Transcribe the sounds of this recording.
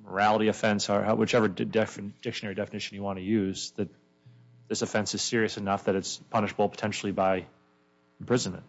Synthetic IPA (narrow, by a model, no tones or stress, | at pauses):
mə˞ælˠəɾiɨfɛ̃nsə̰˞ʔwɨt͡ʃɛvə˞dɛfɨnd̥ɪkʃɨnɛɹidɛfənɪʃɨ̃n̩jɨwɑ̃nɨjʉz̥ðɨt̪̚ | ðɪsɨfɛ̃nsɨz̥sɪɹiɨsɨnʌfðɨɾɨtspʰʌnɨʃəbl̩ˠpʰə̥tʰɛ̃nʃl̩ˠibaɪ | pʰɹ̥ɪzɨ̃n̩mɨ̰̃nt̚